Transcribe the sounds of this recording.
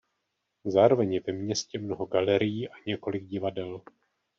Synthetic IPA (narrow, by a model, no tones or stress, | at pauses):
zaːɾo̞vɛɲjɛvɛmɲɛscɛmno̞ɦo̞ɡalɛɾɪjiːʔaɲɛko̞lɪɡ̚ɟɪvadɛl